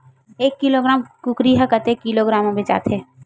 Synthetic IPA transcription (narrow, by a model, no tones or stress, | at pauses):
eːkːiloɡɾaːmkukɾiɦakət̪ekːiloɡɾaːmõbɪt͡ʃa̰ːt̪ʰe